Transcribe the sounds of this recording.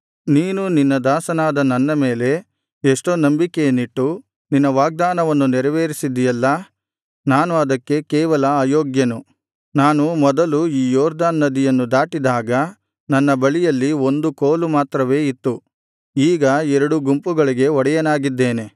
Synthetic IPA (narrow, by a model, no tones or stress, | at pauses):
niːnuninːɐd̪aːsɐnaːd̪ɐnɐnːɐme̞ːle̞ | eʂʈoːnɐmbikejɐniʈːu | ninːɐʋaːɡ̚d̪aːnɐʋɐnːunɛɾɐʋeːɾisid̪ːijɐlːɐ | naːnuɐd̪ɐkːe̞kɛːʋɐlɐaːjoːɡjɐnu | naːnumɔd̪ɐluiːjɔːɾd̪aːnːɐd̪ijɐnːud̪aːʈid̪aːɡɐ | nɐnːɐbɐɭijɐlːio̞nd̪ukoːlumaːt̪ɾɐʋe̞ːit̪ːu | iːɡɐɛɾɐɽuɡumpuɡɐɭiɡe̞ɔɽɛjɐnaːɡid̪ːe̞ːne̞